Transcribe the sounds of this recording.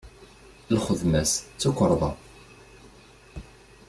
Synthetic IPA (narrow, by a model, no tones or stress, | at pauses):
lχəðmæst͡sːukʷːəɾˤðˤɑ